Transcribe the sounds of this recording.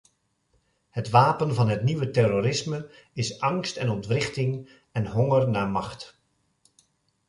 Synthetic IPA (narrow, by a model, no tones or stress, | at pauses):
hətʋaːpənvɑnɦətniʋətɛroːɾɪsmə | ɪsɑŋstɛnɔntʋrɪχtɪŋ | ɛnɦɔŋərnaːmɑχt